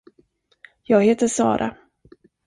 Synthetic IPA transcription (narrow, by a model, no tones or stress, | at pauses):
jɑːɡheːt̪əʂɑ̰ːɾʔa̰